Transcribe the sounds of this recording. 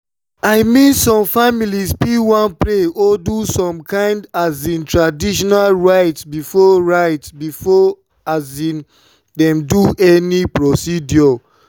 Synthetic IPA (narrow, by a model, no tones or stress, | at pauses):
aɪmĩnsɔ̃mfamilispiwãnpɹeɔdusɔ̃mkãɪ̃ndazĩntɹadiʃɔnalɹaɪtsbifɔɹaɪtbifɔ | azĩn | dɛ̃mduɛnipɹosidjɔ